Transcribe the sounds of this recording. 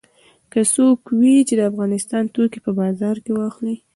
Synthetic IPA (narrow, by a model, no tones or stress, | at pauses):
kəsokwit͡ʃed̪əafɣɑnɪst̪ɑnt̪okipəbɑzɑɾkewɑxli